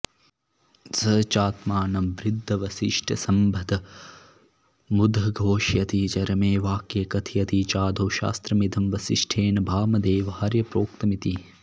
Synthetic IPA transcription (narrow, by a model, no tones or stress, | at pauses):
sɐt͡ʃaːt̪maːnɐmʋɾɪd̪ʱːɐʋɐsiʂʈʰɐsɐmbʱɐd̪ʱɐ | mud̪ʱɐɡʱoːʃjɐt̪it͡ʃɐɾɐmeːʋaːkjekɐt̪ʰijɐt̪it͡ʃaːd̪ʱoːʃa̰ːst̪ɾɐmid̪ʱɐmʋɐsiʃʈʰeːnɐbʱaːmɐd̪eːʋɐhaɾjɐpɾoːk̚t̪ɐmit̪i